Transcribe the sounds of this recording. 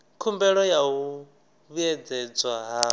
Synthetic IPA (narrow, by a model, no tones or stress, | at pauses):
kʰumbɛɺɔjau | βujɛd͡zɛd͡zwaɦa